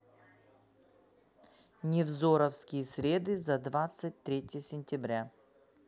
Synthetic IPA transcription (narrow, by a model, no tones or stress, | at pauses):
nʲɪvzo̞ɾəfskʲɪjəsʲɾʲe̞d̪ɨzɐd̪vat̪sɨt̚ʲt̪ɾʲetʲɪjəsʲɪnʲtʲɪbɾʲa